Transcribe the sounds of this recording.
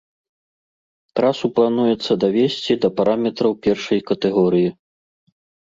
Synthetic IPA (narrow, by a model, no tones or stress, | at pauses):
t̪ɾasuplˠanujɛt̪sːɐd̪avʲesʲt͡sʲid̪ɐpaɾamʲɛt̪ɾɐwpʲɛrʂɐjkɐt̪ɛɣɔɾɨji